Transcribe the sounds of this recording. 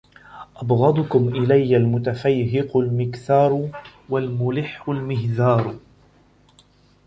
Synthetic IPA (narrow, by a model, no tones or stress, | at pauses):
ʔɑbɣɑd̪ˤʊkʊmʔɪlajːalmʊt̪afajɦɪqʊlmɪkθɑːɾˤwalmʊlɪħːʊlmɪɦðɑːɾˤ